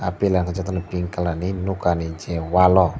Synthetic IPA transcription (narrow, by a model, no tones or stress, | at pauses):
apilankəd͡ʒat̪anbiŋkəlaninukaniɲd͡ʒɛwalɔ